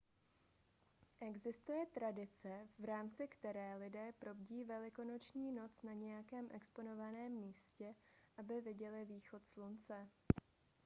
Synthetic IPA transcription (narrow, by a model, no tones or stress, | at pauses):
ʔɛɡzɪst̪ujɛt̪ɾadɪt͡sɛvɾaːmt͡sɪkt̪ɛɾɛːlɪdɛːpɾo̞bɟiːvɛlɪko̞no̞t͡ʃɲiːno̞t͡snaɲɛjakɛːmʔɛkspono̞vanɛːmːiːscɛ | ʔabɪvɪɟɛlɪviːxo̞t̪slunt͡sɛ